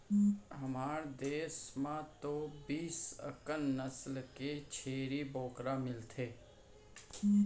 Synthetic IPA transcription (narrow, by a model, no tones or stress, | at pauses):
ɦɐmaːɾd̪eːsmãt̪obiːsə̰kənːəslket͡ʃʰeːɾiboːkɾamɪlt̪ʰeː